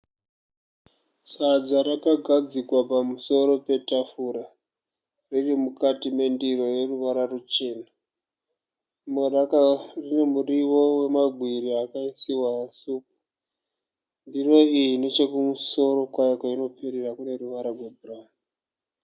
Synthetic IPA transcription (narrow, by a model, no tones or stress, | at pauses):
sad͡zaɾakaɡʱad͡zikwapamuso̞ɾo̞pe̞tafuɾa | ririmukatime̞ndiro̞je̞ruʋaɾarut͡ʃe̞ːna | merakarine̞muriʋo̞we̞maɡʱwiɾiakaisiwasuːk̚u̥ | ndiro̞ijine̞t͡ʃe̞kumuso̞ɾo̞kwajakaino̞pʰeɾirakune̞ruʋaɾarwebʱuraːma